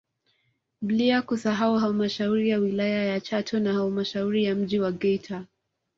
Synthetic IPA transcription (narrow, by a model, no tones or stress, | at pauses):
bliakusaɦauɦalmaʃauɾijawilajajat͡ʃatʰɔnahalmaʃauɾijam̩ʄiwaɡɛjtʰa